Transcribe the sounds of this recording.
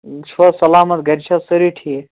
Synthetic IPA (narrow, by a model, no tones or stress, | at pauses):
t͡ʃʰɐsɐlaːmɐt̪ɡɐɾʲt͡ʃʰɐsəɾiʈʰi